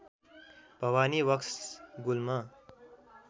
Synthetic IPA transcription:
b̥ʱʌwaːniwʌksɡulma

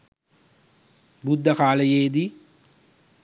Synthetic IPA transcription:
bud̪ʱːəkaːləjeːd̪i

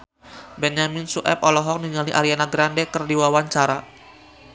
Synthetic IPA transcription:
bɛnd͡ʒaminsuʔɛ̰p̚ɔlɔɦɔk̚niŋaliʔaɾianaɡɾandɛkərdiwawaɲt͡ʃaɾa

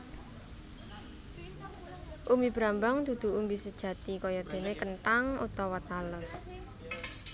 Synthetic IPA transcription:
ʔumib̥ɾambaŋd̪̥ṳd̪̥ṳumbisəd̥ʒ̥ä̤t̪ikɔjɔd̪̥e̤nekənt̪aŋṵt̪ɔwɔt̪aləs

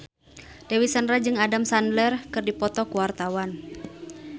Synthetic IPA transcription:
d̥ewisanrad͡ʒɨŋadamsandlɛrkɨrdipɔt̪ɔkuwart̪awan

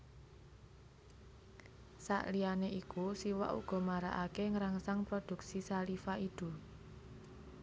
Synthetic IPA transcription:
sa̰ʔlijaneʔikusiwa̰ʔṵɡ̥ɔ̤maɾa̰ʔakeŋɾaŋsaŋpɾod̪̥ṳksisalifaid̪̥ṳ

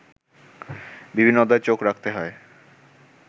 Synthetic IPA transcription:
bibʱinːod̪aet͡ɕokɾak̚ʰt̪eɦɔe

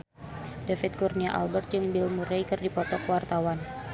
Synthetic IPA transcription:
dafɪt̪̚kurniaʔa̰lbərt̪̚d͡ʒɨŋbɪlmuɾejkɨrdipɔt̪ɔkəwart̪awan

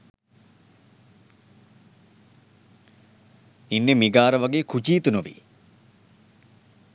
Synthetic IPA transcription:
inːemiɡaːɾəʋaɡeːkʰut͡ʃiːt̪unuʋḭ

